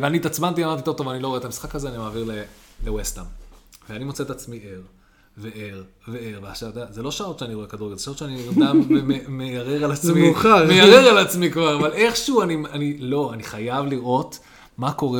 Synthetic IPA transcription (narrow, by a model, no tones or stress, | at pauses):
veaniːt̪at͡smant̪iamaʁt̪ito̞vt̪oanilo̞et̪amisχakazeanimaːviʁlelewest̪amveanimot͡seet̪at͡smiʔe̞ʁ | veʔeʁ | veeʁbaaʃat̪azelo̞ʃaot̪ʃeaniekad̪uɡelzeʃaot̪ʃeaniammemejaʁeʁalat͡smiuχamejaʁeʁalat͡smikvaʁavale̞χʃuuanianilo̞aniχajavliʁo̞t̪ | mako̞ʁe